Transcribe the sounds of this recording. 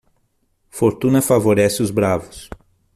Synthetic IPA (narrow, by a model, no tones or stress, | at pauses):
foɾt̪ũnɐfavoɾɛsɪʊzbɾavʊs